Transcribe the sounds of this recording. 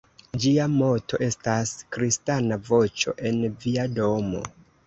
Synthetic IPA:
d͡ʒiamo̞to̞̰ʔe̞staskɾistanavo̞t͡ʃo̞̰ʔe̞nviado̞mo̞̰

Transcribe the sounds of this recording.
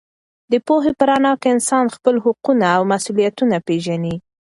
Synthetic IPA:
d̪əpoɦepəɾanɑkeɪnsɑnxpəlɦʊqunaːwmasulijat̪unapeʒani

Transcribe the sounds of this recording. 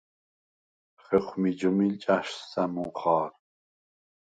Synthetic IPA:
χɛχmid͡ʒumilt͡ʃʼaʃːæmuχɑːɾ

